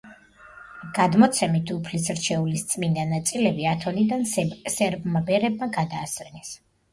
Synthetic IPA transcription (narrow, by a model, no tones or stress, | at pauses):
ɡ̥ad̪mɔt̪sʰɛmit̪ʰupʰlisɾt͡ʃʰɛulist̪sʼmind̪anat̪sʼilɛbiat̪ʰɔnid̪ansɛɾbmabɛɾɛbmaɡad̪aːsvɛnɛs